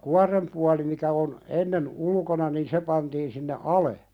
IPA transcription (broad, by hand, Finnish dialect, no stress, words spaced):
kuɑrem puɑli mikæ on enːen ulkonɑ niːn se pɑntiːn sinːe ɑle